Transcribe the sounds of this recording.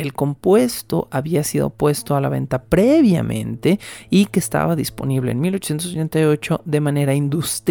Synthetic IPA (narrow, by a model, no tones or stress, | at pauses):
elko̞mpwe̞st̪o̞̰ʔaβiasiðo̞̰pwe̞st̪o̞alaβe̞̰nt̪apɾe̞βja̰mʔẽ̞̰nt̪e̞ike̞ːst̪a̰βaðispo̞̰niβle̞̰ːnmilo̞t͡ʃosjent̪osot͡ʃe̞nt̪ajo̞t͡ʃo̞ðe̞mãne̞ɾaind̪ust̪